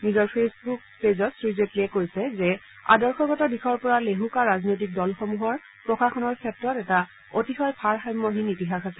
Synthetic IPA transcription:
nizɔɹpʰesbukpezɔtsɹizetlɛkoɹisɛzɛ | a̰dɔɹxɔɡɔtɔdixʰɔɹpɔɹaleɦukaɹaznojtik̚dɔlxomuɦɔɹ | pɹɔkaxʰɔnɔɹkʰɛtɹɔtɛta | otixɔjpʰaɹxajmːɔɦinitiɦaxasɛ

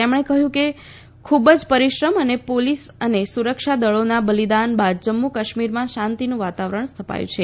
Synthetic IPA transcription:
t̪emɳ̃ekəɦjũke | kʰubəd͡ʒpəɾiʃɾəmənepolisənesuɾəkʃad̪əɭonabəlid̪anbad̪̚d͡ʒəmːukaʃmiɾmãʃãnt̪inũʋat̪aʋɾəɳ̃st̪ʰəpa̰jṵ̃t͡ʃʰe

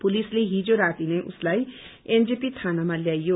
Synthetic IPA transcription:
pʊlisleɦid͡ʒoɾaːt̪ineʔʊ̰slaːi | end͡ʒipit̪ʰaːnamãljaːijo

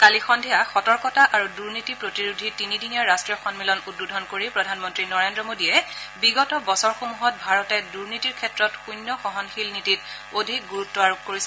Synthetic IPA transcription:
kalixɔndʱiaxɔtɔɹkɔtaʔaɹuduɹnitipɹotiɹudʱitinidinijaɹastɹijɔxɔnmilɔnud̚budʱɔnkoɹipɹɔdʱanmɔntɹinɔɹendɹɔmodiɛbiɡɔtɔbɔsɔɹxomuɦɔt̚bʱaɹɔtɛduɹnitiɹkʰɛtɹɔtxujnjɔxɔɦɔnxilnitit̚ | odʱik̚ɡuɹutːɔaɹukkoɹisɛ

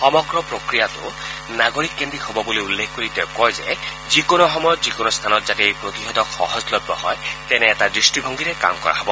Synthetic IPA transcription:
xɔmɔɡɾɔpɾokɾijat̪ṵ | naɡoɹikːendihobɔbuliulːekʰkoɹit̪ewkɔjzḛ | zikonɔxɔmɔjɔt̪zikonɔst̪ʰanɔt̪zateejpɾot̪iɦɔd̪ɔkxɔ̰hɔzlɔdɔɦɔjt̪ɛneːtad̪ɹisʈibʱɔŋɡiɾeka̰mkɔ̰ɹʔa̰ɦɔbɔ

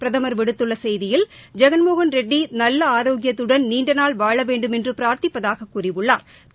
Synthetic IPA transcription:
pɪɾɐðɐmɐɾʋɪɽɯt̪ːɯɭːɐsɛjðɪjɪld͡ʒɛɣɐnmoːɣɐnɾɛɖːinɐlːɐaːɾoːɡɪjɐt̪ːɯɽɐnniːɳɖɐnaːɭʋaːɭɐʋeːɳɖɯmɛndrɯpɪɾaːɾt̪ɪpːɐðaːɣɐkːurɪʋɯɭːa̰ːɾ

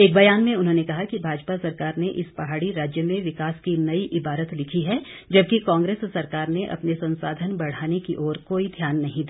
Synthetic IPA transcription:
eːk̚bɐjaːnmẽʊnɦõːnekɐɦakibʱaːd͡ʒpasɐɾkaːɾneʔɪspɐɦaːɽiɾaːd͡ʒjəmẽʋɪkaːskinɐiʔɪbaːɾət̪lɪkʰiɦɛd͡ʒɐb̚kikãːŋɡɾeːssːɐɾkaːɾneʔɐ̰pnesɐ̃nsaːd̪ʱənbɐɽ̤aːnekiʔɔːɾkoːid̪ʱjaːnːɐɦĩd̪iː

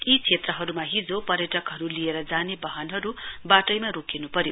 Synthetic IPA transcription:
it͡sʰet̪rʌɦʌɾumaɦid͡zopʌɾjʌʈʌkɦʌɾulijeɾʌd͡zanebʌɦʌnɦʌɾubaʈʌjmaɾokʰenupʌɾjo

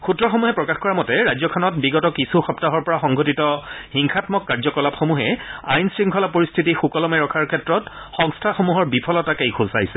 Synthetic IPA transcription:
xutɹɔxomuɦɛpɹɔkaxkɔɹamɔtɛɹajzɔkʰɔnɔt̚biɡɔtɔkisuxɔptaɦɔɹpɔɹaxɔŋɡʱotitɔxiŋxʰatmɔkːaɹzɔkɔlapxomuɦɛa̰jnsɹiŋkʰɔlapːoɹistʰitixukɔlɔmɛɹɔkʰaɹkʰɛtɹɔt | xɔ̃ŋstʰaxomuɦɔɹbipʰɔlɔtakejkʰʊsajsɛ

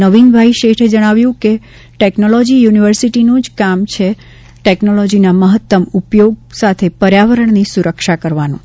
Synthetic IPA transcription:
əʋinbʱaiʃeʈʰed͡ʒəɽ̃aʋjũke | ʈeknolɔd͡ʒijuniʋəɾsiʈinũd͡ʒkamt͡ʃʰe | ʈeknolɔd͡ʒinaməɦət̪ːəmupjoɡ̚sat̪ʰepəɾjaʋəɾəɳnisuɾəkʃakəɾʋanũ

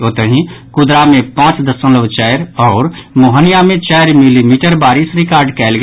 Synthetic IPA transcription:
oːt̪əɦĩkʊd̪ɾamẽpãːt͡ʃd̪əsə̃nləʋt͡ʃɛːjɾɔːɾmoːɦənijamẽt͡ʃɛːjɾmilimiːʈəɾbaːɾɪsɾɪkaːɾɖkɛːlɡ

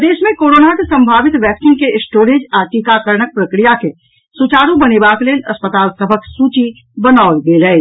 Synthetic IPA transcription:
d̪eːʃmẽkoːɾoːnakesɐ̃mbʱaːʋɪt̪ʋɛːksɪ̃ŋkeɪsʈoːɾeːd͡ʒaːʈikakəɾnək̚pɾəkɾijake | sʊt͡ʃaːɾũbɐnebaːkleːlɐspət̪aːlsəbʱəksuːt͡ʃi | bənaːʊlbeːləe

